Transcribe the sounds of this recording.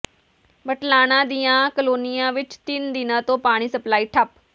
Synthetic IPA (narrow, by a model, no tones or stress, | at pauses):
bəʈlaːñãːd̪ijãːkəloːnɪjãːʋɪt͡ʃt̪ɪnd̪ɪnãːt̪õːpaːɽ̃iːsəplaːiːʈʰəp